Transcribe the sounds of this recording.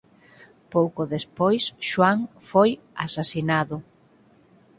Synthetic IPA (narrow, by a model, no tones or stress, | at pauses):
powkʊðespojsʃwaŋfoj | a̰sasinaðʊ